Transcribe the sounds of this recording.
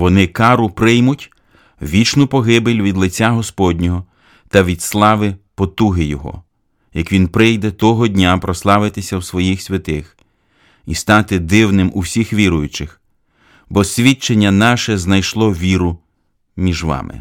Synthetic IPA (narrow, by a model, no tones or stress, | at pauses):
ʋɔnɪkɑɾʊpɾɪjmʊtʲ | ʋʲit͡ʃnʊpɔɦɪbɪlʲʋʲid̪lˠɪt͡sʲaɦɔspɔdʲnʲɔɦɔ | t̪ɐʋʲid̪slˠɑʋɪpɔt̪uɦɪjɔɦɔ̰ | jɐkʋʲinpɾɪjd̪ɛt̪ɔɦɔdʲnʲapɾɔslˠɑʋɪt̪ɪsʲɐwsʋɔjixsʲʋʲɐt̪ɪx | ist̪ɑt̪ɪd̪ɪwnɪmuwsʲixʋʲiɾʊjʊt͡ʃɪx | bɔsʲʋʲit͡ʃenʲːɐnɑʃɛznɐjʃlˠɔʋʲiɾʊ | mʲiʒʋɑ̰mɪ̰